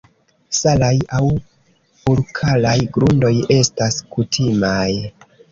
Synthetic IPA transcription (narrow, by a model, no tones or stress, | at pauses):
salajaw | uɾkʰalajɡɾundo̞je̞staskutʰimaj